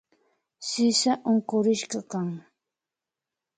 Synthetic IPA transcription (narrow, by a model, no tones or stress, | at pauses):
sɪsaʔʊŋkʊɾɪʃkɑkaŋ